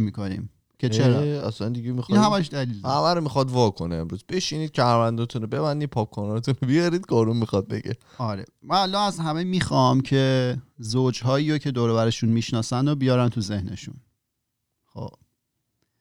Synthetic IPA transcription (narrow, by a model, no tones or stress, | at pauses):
miːkonḭm | cʰe̞t͡ʃʰeɾɒæsænd̪iɡemixinhæmæʃ̬d̪æliːld̪hæmæɾomixɒd̪vɒːkʰoneemɾuːzb̥e̞ʃiniːd̪ʃæɾvænd̪ɒnt̪ʰunobe̞βænd̪id̪̚pʰɒːp̚kʰɔnɒːet̪unobijɒɾiːd̪ɡɒːɾummixɒd̪̚beɡḛ | ɒɾḛvæːlːɒːæzhæmemiːxɒmcʰe̞zod͡ʒɦɒːiːɾocʰe̞d̪oːɾeβæɾeʃunmiːʃnɒːsænd̪obijɒːɾænt̪ʰuze̞hne̞ʃṵn | xo̰b